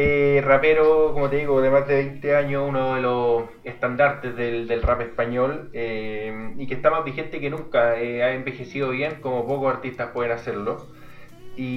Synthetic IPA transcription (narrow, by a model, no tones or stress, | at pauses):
erapeɾokomot̪eðiɣoðemazðeβejnt̪eaɲounoðelos | eht̪and̪aɾt̪ezðeld̪elrapespaɲolemikest̪amazβixent̪ekenuŋkaeaembe̞xe̞siðoβje̞ŋkomopokosaɾt̪ist̪ahpweðenaseɾlo | i